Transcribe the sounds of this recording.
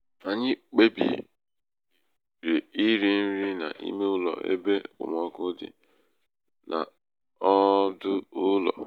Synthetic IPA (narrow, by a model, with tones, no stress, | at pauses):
a˨ɲɪ˦k͡pe˦bḭ˨ | ɾe˨i˦ɾi˦n̩˦ɾi˦na̰˨ʔḭ˦me˦ʊ˦lɔ̰˨ʔḛ˦be˦ʊ̰˨mɔ˦kʊ˦dɪ̰˨ | nʔa̰˨ | ɔ˦dʊ˦ʊ˦lɔ̰˨